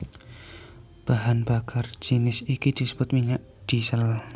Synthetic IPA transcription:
b̥aɦanbakʰard͡ʒ̥inɪsidkid̪̥isəb̥ʊt̪̚miɲaʔ | d̪̥isəl

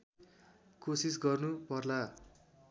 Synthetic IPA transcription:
kosis̬ɡʌrnupʌrla

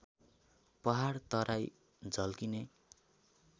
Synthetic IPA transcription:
pʌɦart̪ʌɾaj | d͡zʌlkine

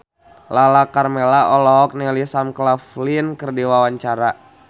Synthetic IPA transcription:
lalakarmelaʔɔlɔɦɔk̚nɛlisamklaflinkərdiwawaɲt͡ʃaɾa

